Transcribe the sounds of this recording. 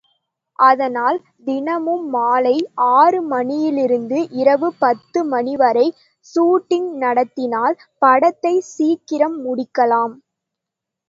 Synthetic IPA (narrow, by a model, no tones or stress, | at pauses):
ʔɐðɐnaːl | d̪ɪnɐmɯmːaːlɐɪʔaːrɯmɐɳɪjɪlɪɾɯnd̪ɯʔɪɾɐʋɯpɐt̪ːɯmɐnɪʋɐɾɐɪ | suːʈːɪŋnɐɽɐt̪ːɪnaːl | pɐɽɐt̪ːɐɪsiːkːɪɾɐmːʊɽɪkːɐlaːm